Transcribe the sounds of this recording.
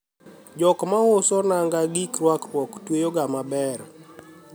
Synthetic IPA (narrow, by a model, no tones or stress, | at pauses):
d͡ʒɔkmaʊsɔnaŋɡaɡikɾwakɾwɔktwejoɡamabɛɾ